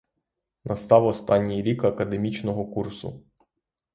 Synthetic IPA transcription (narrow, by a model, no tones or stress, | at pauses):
nʔɐst̪ɑwɔst̪ɑnʲːijɾʲikɐkɐd̪emʲit͡ʃnɔɦɔkursʊ̰